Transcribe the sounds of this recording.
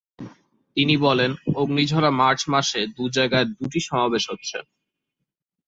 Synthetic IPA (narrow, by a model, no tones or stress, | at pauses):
t̪inibɔlenoɡnid͡ʑʱɔɾamaɾt͡ɕmaʃed̪ud͡ʑaeɡaeɾd̪uʈiʃɔmabeʃɦotːɕʰḛ